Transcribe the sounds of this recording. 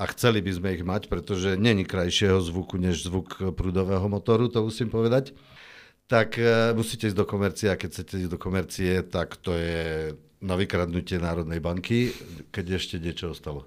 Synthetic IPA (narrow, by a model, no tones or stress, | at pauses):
axt͡sɛlibizmɛiɣmacpɾɛt̪ɔʒɛɲɛɲikɾajʃɪɛɦɔzʋukuɲɛʒzʋukpɾuːd̪ɔʋɛːɦɔmɔt̪ɔɾut̪ɔmusimpɔʋɛd̪ac | t̪akmusiːcɛizd̪ɔkɔmɛɾt͡siɛakɛcʰt͡sɛcɛizd̪ɔkɔmɛɾt͡siɛt̪akt̪ɔjɛ | naʋikɾad̪nucɪɛnaːɾɔd̪nɛjbaŋkikɛɟɛʃcɛɲɪɛt͡ʃɔɔst̪alɔ